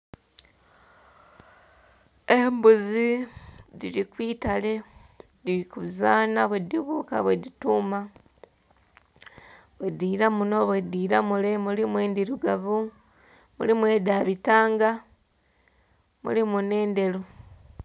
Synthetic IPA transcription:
embuzidḭlikwiːtale̞ | diɾikuzaːnaβwediβuːka̰βwedituːma | βediːɾamuno̞βwediːɾamulemulimwe̞ːnd̪iɾuɡaβu | mṵlimwe̞daβitaːŋɡa | mṵlimune̞ːnde̞lu

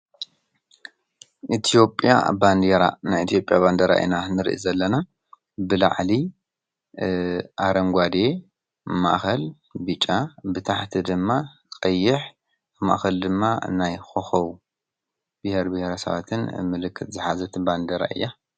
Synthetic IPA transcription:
ʔit̪ʰijo̞pʼːja̰band̪eɾa̰najit̪ʰijo̞pʼjaband̪ɐɾa̰ʔḭnanɨɾʔḭzɐlːɐna | bɨla̰ʕli | ʔaɾɐŋɡʷad̪e̞ | ma̰ʔxɐl | bɨt͡ʃʼabɨt̪ʰaħt̪ʰid̪ɨmːa | kʼɐjːɪħ | ma̰ʔxɐld̪ɨmːanajxoxɐw | b̥ɨheɾbɨheɾasɐ̰βa̰t̪ʰɨnmɨlɨkʰːɨt̪zɨħazɐt̪band̪eɾa̰ʔɨ̰jːa

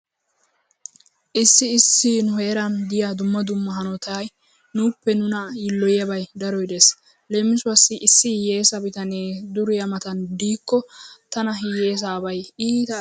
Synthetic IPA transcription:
ʔɪsːɪːsːɪnʊɦeːɾɐnd̪ɪjad̪ʊmːɐd̪ʊmːɐɦɐnɔt̪aːj | nʊpːɛnʊnɐjɪlːɔjɐbɐjd̪ɐɾɔjd̪es | le̞ːmːɪsʊɐsːɪʔɪsːɪhje̞ːsɐbɪt̪ɐneːd̪ʊɾʊjɐmɐt̪ɐnd̪iːkːɔt̪ɐnɐɦɪje̞ːs̬aːbɐjiːt̪ɐ

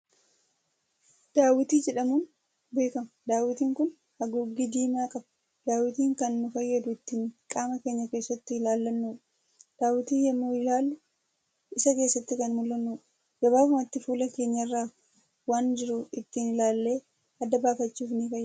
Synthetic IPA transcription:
d̪̥aːwɪt̪iːd͡ʒɛᶑɐmuːn | be̞ːkɐmɐd̪aːwɪt̪iːŋkʊn | hɐɡʊɡɪd̪iːmaːkʼɐbɐ | d̪̥aːwɪt̪iːŋkɐnːʊfɐjːɛd̪ʊɪt̪ːɪŋkʼaːmɐke̞ːɲːɐke̞ːsːɐt̪ːɪɪlaːlːɐnːuːᶑ | d̪̥aːwɪt̪iːjɐmːuːɪlaːlːʊ | ɪsɐke̞ːsːɐt̪ːɪkɐnmʊlːɐnːuːᶑɐ̥ | d͡ʒɐβaːbʊmɐt̪ːɪfuːlɐke̞ːɲːɐɪrːaː | waːnd͡ʒɪɾʊɪt̪ːinɪlaːlːe̞ː | ɐd̪ːɐbaːfɐt͡ʃːuːfnikɐj

